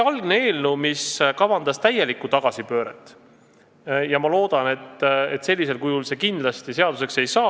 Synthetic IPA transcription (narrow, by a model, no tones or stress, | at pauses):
ɑlɡ̥nee̞ːlnumiskɑvɑnd̪̥ɑst̪æje̞likːˑut̪ɑɡ̥ɑsipø̞ːɾet̪ːˑ | jɑmɑlo̞ːd̪̥ɑne̞t̪ːet̪ːˑse̞lʲːise̞lkujulse̞kind̪lɑst̪ise̞ɑd̪̥use̞kse̞jsɑː